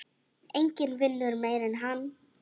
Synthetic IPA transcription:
eŋkənvɪnːəɾmɛjɾɛnɦan

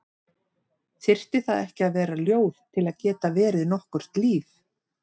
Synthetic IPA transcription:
θɪr̥t̪ɪθaðɛhcɪaðvɛːɾaljoːwð̥t̪ʰɪlaðcɛːt̪avɛːɾɪðnɔhkʏr̥t̪liːf

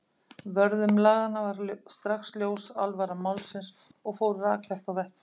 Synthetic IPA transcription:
vœɾðʏmlaːɣanːavaɾst̪ɾaxsljowsalvaɾamawlsɪns | ɔɣfoːwɾʏɾaːklajft̪awvɛhpɪ̥

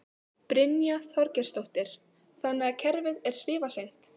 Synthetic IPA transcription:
pɾɪnjaθɔɾcɛɾ̥st̪owht̪ɪɾ̥ | θanːɪɣacʰɛɾvɪðɛɾ̥svɪːvasejn̥t̪

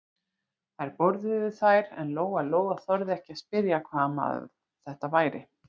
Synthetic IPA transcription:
θajɾpɔɾðɪvɪðθajɾɛ̰nloːwɣaloːwɣaθœɾðɪɛhcɪaspɪɾjakʰvaːma̰ð | θɛht̪avaːjɾɪ

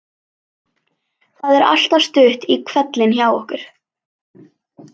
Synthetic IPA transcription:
θaðɛɾa̰l̥t̪ast̪ʏht̪ikʰvɛt̪lɪnçaːwɔhkʏɾ̥

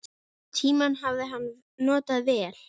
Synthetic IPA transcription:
t̪ʰiːmanɦavðɪɦanː | nɔːt̪aðvɛːl̥

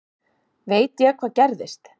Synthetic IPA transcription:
veːjt̪jɛɣkʰvaːðcɛɾðɪst̪

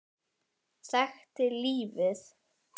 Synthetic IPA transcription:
saxt̪ɪliːvɪð

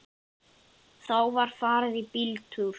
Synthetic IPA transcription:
θawvaɾ̥faːɾɪðipilt̪ʰuɾ̥

